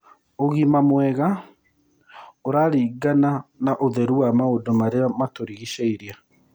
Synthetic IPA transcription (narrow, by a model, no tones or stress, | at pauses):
oɣimamwɛɣa | oɾaɾiːɡananaʔoðɛɾuamaodomaɾeamatoɾiɣiʃeiɾia